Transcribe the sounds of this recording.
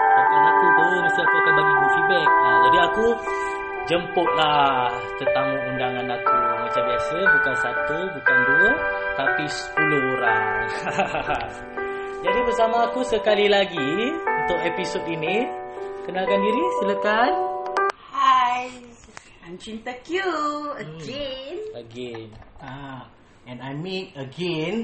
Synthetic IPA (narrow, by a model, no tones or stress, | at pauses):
danakut̪əwunisaʔkakanaɡibuʔsubəad͡ʒadiaku | d͡ʒəmpʊʔ̚la | t̪ənt̪aŋundaŋanakumat͡ʃambiasəbukansat̪ubukanduət̪apisə̥puluɦoɾa̰ŋ | d͡ʒadibəɾsamaːkusəkalilaɡiunt̪ʊk̚episodinikənalkanɡiɾisələkan | haj | ajmt͡ʃint̪akjuəɡɛnəɡɛna | ɛ̃najmiəɡɛn